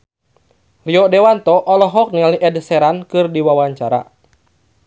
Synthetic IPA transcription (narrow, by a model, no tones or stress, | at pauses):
riɔdɛwant̪ɔʔɔlɔɦɔk̚niŋaliʔɛdsɛɾankɨrdiwawaɲt͡ʃaɾa̰